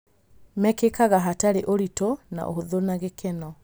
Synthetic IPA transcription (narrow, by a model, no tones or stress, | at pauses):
mɛkekaɣaɦataɾeʔoɾitona̰ʔo̰ɦoðonaɣekɛnɔ